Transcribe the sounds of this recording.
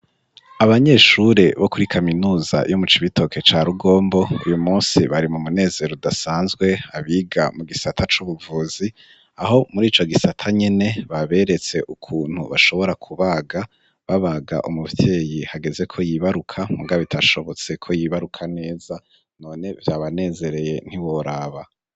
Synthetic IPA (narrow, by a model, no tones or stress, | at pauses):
aβaɲe̞ʃuɾe̞βo̞kuɾikʰaminuːza̰jomut͡ʃiβito̞ke̞t͡ʃaːɾuɡo̞ːmbo̞ṵjumuːnsiβaɾimumune̞ːze̞ɾodasaːnzɡwe̞aβiːɡamuɡisatʰat͡ʃuβuvuːzi | aɦo̞muɾiːt͡ʃo̞ɡisatʰaɲe̞ne̞βaβe̞ɾe̞t͡se̞ʔukʰuːn̥huβa̰ʃo̞βo̞ɾakʰuβaːɡa | βaβaɡa̰ʔumuvje̞ːjihaɡe̞ze̞kʰo̞jiβaɾukʰamuɡaβitʰaʃo̞βo̞t͡se̞kʰo̞jiːβaɾukʰane̞ːz̥a | no̞ːne̞vjaːβane̞ːze̞ɾe̞je̞n̥hiwoɾaːβa